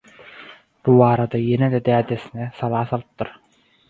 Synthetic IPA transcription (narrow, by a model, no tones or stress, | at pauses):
b̥uβɑːɾɑd̪ɑjɛnɛd̪ɛd̪æːd̪ɛsinɛsɑlˠɑːsɑlˠɯp̚t̪ːɯɾ